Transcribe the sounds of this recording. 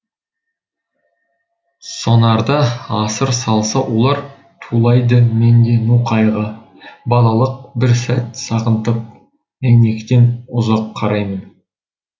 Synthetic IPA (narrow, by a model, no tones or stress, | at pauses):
so̞nɑɾd̪ɑɑsəɾsɑlˠsɑwo̞lˠɑɾ | t̪ʰulˠɑjd̪əme̞nd̪e̞nuqʰɑjʁə | bɑlˠɑlˠəq̚bɪɾsæt̪sɑʁənt̪əp̚ | mene̞kʲɪt̪e̞nʊzɑqʰːɑɾɑjmən